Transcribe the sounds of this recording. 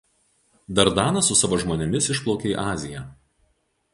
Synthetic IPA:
d̪ɐɾd̪ɑːnɐsʊsɑʋoːʒmoːnʲɪmʲɪsɪʃplˠɔʊkʲeːḭʔɑːzʲɪjɛˑ

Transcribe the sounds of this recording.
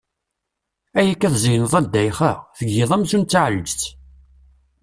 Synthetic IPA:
æjækːæθzijnəðˤæd̪ːæjχəʁθəɡːɪðˤæmsunt͡s̪ːʕəlːəd͡ʒθ

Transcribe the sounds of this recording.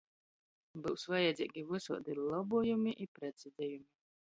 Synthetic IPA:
bɨwsvajɛd̪zʲḭːɡʲivɨsṵɔd̪ilˠɔbujumiʔipɾɛd̪zʲid̪ʲɛjumi

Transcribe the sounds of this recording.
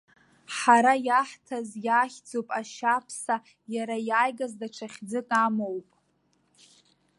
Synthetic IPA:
ħaɾajaħtʰazjaːχʲd͡zopʼaʃapʰsa | jaɾajaːjɡazdaʈ͡ʂʰaχʲd͡zɨkʼamowpʼ

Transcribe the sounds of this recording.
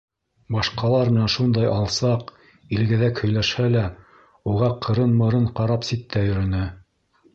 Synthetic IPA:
bɑʃqɑlˠɑɾmɘ̆nænʃund̪ɑjɑlˠsɑq | ilɡæðækhɵ̆jlæʃhælæ | uʁɑqʰɤ̆ɾɤnmɤ̆ɾɤɴqɑɾɑpsit̪ːæjɵ̆ɾɵ̆nɘ

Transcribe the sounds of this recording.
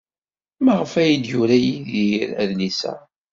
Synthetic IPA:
maʁəfæjid̪jʊɾæjiðiɾæ̰ðlisæ̰

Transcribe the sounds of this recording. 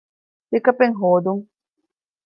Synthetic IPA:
t̪ekɐpeŋɦoːd̪uŋ

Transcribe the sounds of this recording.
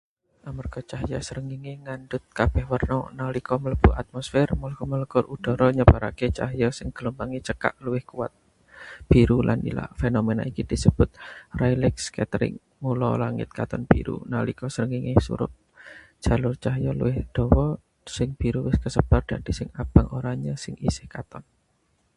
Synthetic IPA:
ʔamərɡ̥ɔt͡ʃaɦjɔsəɾəŋiŋeŋanɖʊt̪̚kab̥ɛhwərnɔnalikɔmələb̥uʔat̪̚mɔsfɪrmulɔkɔmələkʊɾʔud̥ɔ̤ɾɔɲəb̥a̤ɾaket͡ʃaɦjɔsɪŋɡ̥əlumbaŋit͡ʃəka̰ʔluwɪhkuwat̪̚ | b̥iɾulʔa̰nḭla̰fenomɛna̰ikid̪̥i̤səb̥ʊt̪̚rajlɪkskɛt̪ɾɪ̰ŋ | mulɔ̰laŋɪ̰t̪̚kat̪ɔnb̥iɾṵna̰likɔsəɾəŋɪŋɪhsṵɾʊ̰t̚ | d̥ʒ̥a̤lʊrt͡ʃaɦjɔlṵwɪhd̪̥ɔ̤wɔ | sɪŋb̥iɾuwɪskəsəb̥ard̪̥a̤d̪̥i̤sɪŋab̥aŋʔoɾaɲəsɪŋisɪ̥hkat̪ɔn

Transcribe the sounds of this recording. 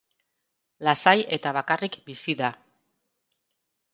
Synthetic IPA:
lasaje̞t̪aβakarikbisiða

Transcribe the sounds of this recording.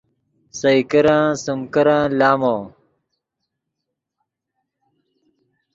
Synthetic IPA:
sɐjkɐɾãːsumkɐɾãːlaːmoː

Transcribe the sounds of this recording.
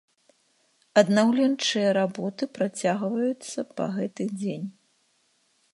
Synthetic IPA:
ɐd̪nawlʲɛnt͡ʂɨjɐɾabɔt̪ɨpɾat͡sʲaɣvɐjut̪sːɐpɐ̰ɣɛt̪ɨd͡zʲenʲ

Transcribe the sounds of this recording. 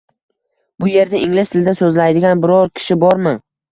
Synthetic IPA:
bʊje̞ɾd̪aʔɪŋlɪst̪ʰɪld̪asɵzlajd̪ɪɡʲanbɪɾɒɾkʲʰɪ̥ʃɪbɒɾmɪ

